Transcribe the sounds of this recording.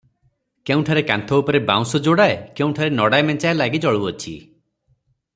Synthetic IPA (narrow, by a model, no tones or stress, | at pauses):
keũʈʰaɾekant̪ʰɔupɔɾebã̰w̃sɔd͡ʒoɽaekeũʈʰaɾenɔɽajmɛnt͡ʃaelaɡid͡ʒɔɭuɔt͡ʃʰḭ